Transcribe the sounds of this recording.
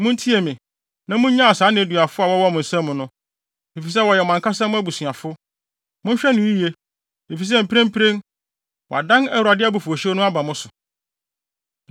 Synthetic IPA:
mʊ̃˦n̩˦tʰi˦e˨mɪ̃˨ | nã˨mʊ̃˦ɲ˦ɲã˦a˨saː˨˦nɪ̃˨æ˨dɥa˨fʊ˦a˨wɔ˦wɔ˦mʊ̃˨n̩˨sã˦mʊ̃˨˦nʊ̃˦ | e˨fi˨s̬ɛ˦wɔ˨jɛ˨ɔ˨mã˨ŋkʰa˦sã˦mʊ̃˦æ˦bu˨sɥa˨fʊ˦ | mʊ̃˦ɕᶣɛ˦nʊ̃˨i˦je˦ | e˨fi˨s̬ɛ˦m̩˨pʰẽ˦m˦pʰi˦ɾẽ˦ŋ | wɔ̰˨a˨dã˦nɛ˦wɾa˨dɪ˦a˦bu˨fu˨o˨ɕɛ˦nʊ̃˦a˦ba˨mʊ̃˦sʊ˨

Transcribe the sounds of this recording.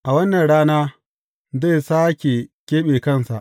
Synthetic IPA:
ʔa˨wɐ˦nːɐ˨nɽaː˦naː˦ | ze˦˨saː˦kʲe˨kʲeː˦ɓeː˨kɐ˦˨nsa̰˨ʔ

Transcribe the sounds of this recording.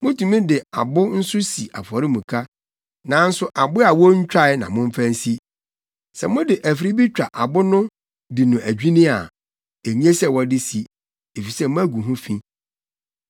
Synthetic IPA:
mʊ̃˦tʰũ˨mĩ˦dɪ˨a̰˨bʊ˦n̩˦sʊ˦si˨ʔa˨fɔ˨ɾɪ˦mũ˨kʰa˦ | nã˨˦n̩˦sʊ˦ʔa˨bʊ˦a˨wɔ˦ɲ̩˦t͡ɕᶣa˦˨ɪ˦nã̰˨mʊ̃˦ɱ̩˦fæ̃˦n̩˦si˦ | sɛ̰˨mʊ̃˦dɪ˨ʔæ˨fi˨ɾi˦bi˦t͡ɕᶣa˨ʔa˨bʊ˦nʊ̃˦ | dɪ˨nʊ̃˨ʔæ˨d͡ʑᶣi˦nɪ̃˦a̰˨ | æ˨ɲĩ˦e˦sɛ˦˨wɔ˦dɪ˦si˦ | e˨fi˨sɛ˦mʊ̃˦æ˦ɡu˨ɦʊ̃˦fĩ˦

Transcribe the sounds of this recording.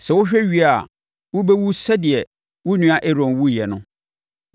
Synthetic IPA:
sɛ˨wʊ˦ɕᶣɛ˦ɥi˦a˨ | wʊ˦be˦wu˦sɛ˦dɪ˨ɛ˨ | wʊ˦nũ˦a˦ʔe˦ɾɔ̃˨nwu˦jɛ˨nʊ̰̃˦

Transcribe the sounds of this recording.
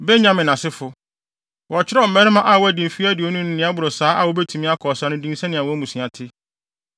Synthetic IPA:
bɛ˦ɲã˦mɪ̃˨nã˨sɪ˦fʊ˨ | wɔ˨t͡ɕʰɪ˦ɾɔ˦˨m̩˦mɛ˦ɾɪ̃˦mã˦ʔa˨wɔ˦æ˨dĩ˨m˨fi˦æ˦dɪ˨ɔ˦nũ˦nɪ̃˦nɪ̃˦a˦bʊ˨ɾɔ˨saː˨˦ʔa˨wɔ˦bɛ˦tʰu˨mɪ̃˦a˦kʰɔ˨sa˦nʊ̃˦dĩ˦n˦sɛ˦nɪ̃˨a˨wɔ˦æ˦mũ˨sĩ˨a˨tʰɪ˦

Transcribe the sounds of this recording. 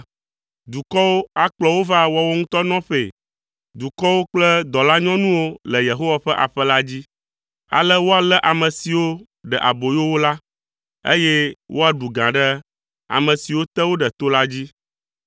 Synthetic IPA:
d̪u˨kɔ˦wo˦a˦k͡plɔ˦wo˦va˦wɔ˦wo˦ŋũ˦t̪ɔ˦nɔ̃˦ɸḛ˨ | d̪u˨kɔ˦wo˦k͡plɛ˦d̪ɔ˨la˦ɲɔ̃˦nũ˦wo˦lə˨je˨ɦo˦wa˨ɸɛ˦ʔa̰˨ɸɛ˦la˦d͡ʑi˦ | a̰˨lə˦wo˦a˨lɛ˦ʔa˨mə̃˨si˨wo˦ | ɖɛ˨ʔa̰˨bo˨jo˦wo˦la˦ | ḛ˦je˦wʔo˦a˨ɖu˨ɡã˨ɖɛ˦ | a̰˨mə̃˨si˨wo˦t̪ɛ˦wo˦ɖɛ˨t̪o˦la˦d͡ʑi˦

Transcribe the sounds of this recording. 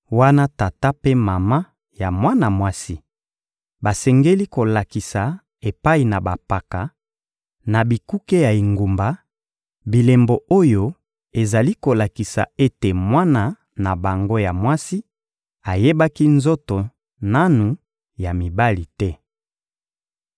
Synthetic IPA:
wa˦na˦ta˨ta˦pe˦ma˨ma˦ | ja˨mwa˦na˨mwa˦si˦ | ba˨sɛ˨ŋɡe˦li˦ko˨la˨ki˨sa˨ | e˨pa˦i˨na˨ba˨pa˨ka˨ | na˨bi˨ku˦ke˦ja˨i˨ŋɡu˨mba˨ | bi˨le˨mbo˨ʔo˦jo˦ | e˨za˨li˦ko˨la˨ki˨sa̰˨e˦te˨mwa˦na˨ | na˨ba˨ŋɡo˦ja˨mwa˦si˦ | a˨je˦ba˦ki˦nzo˦to˨ | na˦nu˨ | ja˨mi˨ba˦li˨tɛ˦

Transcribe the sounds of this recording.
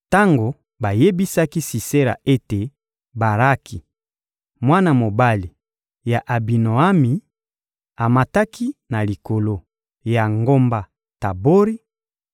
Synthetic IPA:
ta˦ŋɡo˨ | ba˨je˦bi˦sa˦ki˦si˨se˦la̰˨ʔe˦te˨ | ba˨ɾa˦kʰi˨ | mwa˦na˦mo˨ba˦li˨ | ja˨ʔa˨bi˨no˨a˦mi˨ | a˨ma˨ta˦ki˦na˨li˨ko˨lo˦ | ja˨ŋɡo˦mba˦˨ | ta˨bo˦ɾi˦

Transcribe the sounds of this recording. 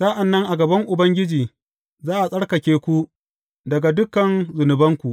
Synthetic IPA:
sɐ˦ʔa˨nːɐ˦ŋʔa˨ɡɐ˨bɐ˦ŋʔʊ˨bɐ˦ŋɡʲɪ˦d͡ʒiː˨ | zaː˦ʔa˨sʼɐ˦ɽkɐ˨kʲeː˦kʷu˦ | dɐ˨ɡa˨dʊ˦kɐ˨nzʊ˨nʊ˨bɐ˦ŋkʷu˨ʔ

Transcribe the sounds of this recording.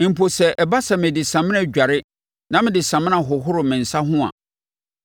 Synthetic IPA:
m̩˨pʰo˨sɛ˨ʔɛ˨ba˦sɛ˨mɪ̃˨dɪ˨sã˨mɪ̃˦ã˨ɟᶣa˨ɾɪ˦ | nã˦mɪ̃˦dɪ˨sã˨mɪ̃˦ã˨ɦʊ˨ɦʊ˦ɾʊ˨mɪ̃˨n̩˨sa˦ɦʊ̃˦ã̰˨

